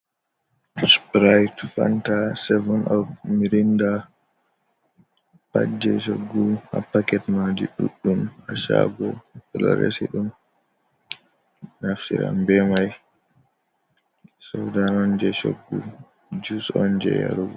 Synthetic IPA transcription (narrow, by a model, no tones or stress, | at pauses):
spɾajtfantasɛvɔnʔɔfmiɾinda | pad͡ʒɛʃoɡːuha̰pːakɛtmad͡ʒiɗuɗːumaʃaɡɔkɛlɔɾḛsiɗum | nafsiɾa̰mbɛmaj | sɔdanɔnd͡ʒɛʃoɡːu | d͡ʒusɔnd͡ʒɛja̰ɾuɡɔ